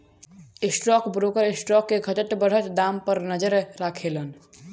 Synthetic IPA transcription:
ɪsʈɾɔːkbɾoːkəɾɪsʈɾɔːkːeɡʱət̪ət̪bəɽ̤ət̪d̪aːmpəɾnəd͡ʒəɾɾaːkʰeːlən

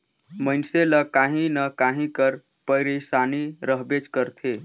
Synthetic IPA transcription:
məɪnseləkaɦĩnəkaɦĩkəɾ | pəjɾesaniɾəɦbet͡ʃkəɾt̪ʰe

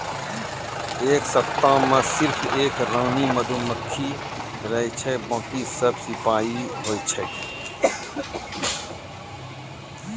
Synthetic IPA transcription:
eːksət̪ːãːmãsɪɾfʰeːkɾãːniːməd̪ʱũːməkʰːiː | ɾɐɦit͡ʃʰebɔ̃ːt̪isəbsɪpaːiɦoːit͡ʃʰɛ

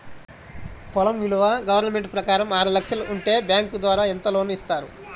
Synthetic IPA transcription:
pɔlɐmʋiluʋaɡɐʋɐɾnɐme̞ɳʈpɾɐkaːɾɐmaːɾulɐkʂɐluʔuɳʈe̞ːbjaːŋkud̪ʋaːɾaːint̪ɐlo̞ːnuist̪aːɾu

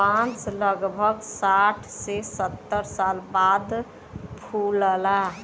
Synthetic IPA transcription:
pãt͡ʃləɡbʱəɡsaʈʰsesət̪ːəɾsalbad̪ | pʰuləla

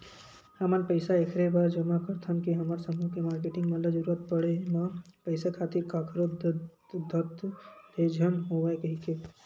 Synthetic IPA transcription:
həmənpəɪsaekʰɾebaɾd͡ʒəmakəɾt̪ʰənkiɦəmaɾsəmukemaːɾkeʈɪ̃ŋɡmət̪ləbd͡ʒəɾuət̪̚pəɽemapəɪsakʰaːt̪iɾkakʰɾod | d̪ʱət̪d̪ed͡ʒʱənɦoʋaekəɦike

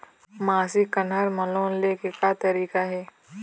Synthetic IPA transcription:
maːsikɐnɦaɾmɐloːnlekekat̪ɐɾiːkaɦɛː

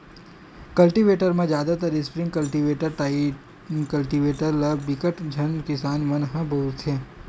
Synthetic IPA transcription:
kəlʈiʋeʈəɾmãd͡ʒjad̪at̪əɾɪspɾɪ̃ŋɡkəlʈiʋeʈəɾʈai | kəlʈiʋeʈəɾlabɪkəʈd͡ʒʱənkɪsaːnʋənɦãbʱəɦuɾt͡ʃʰe

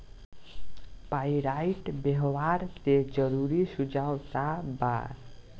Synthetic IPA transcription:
pajɾajʈbeɦwaɾt̪ed͡ʒʌɾuɾisud͡ʒawt̪aba̰ɾ

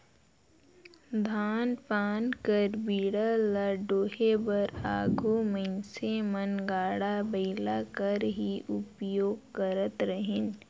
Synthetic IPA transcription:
d̪ʱaːnpaːnkəɾbiːɽələɖoːɦebəɾaːɡʱumə̃ɪsemənɡaːɽabəɪlakəɾɦiʔʊpjoːɡ̚kəɾət̪ɾəɦɪn

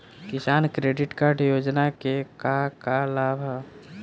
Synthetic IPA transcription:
kɪsaːnkɾeːɖɪʈkaɾɖjoːd͡ʒnakekakalabʱ

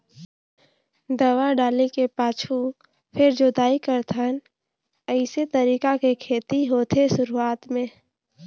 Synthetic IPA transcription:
d̪əwaɖaːlekepaːt͡ʃʰu | pʰɪɾd͡ʒod̪aːikəɾt̪ʰan | əɪset̪əɾiːkakekʰeːt̪iɦoːt̪ʰesʊɾuaːt̪mẽː

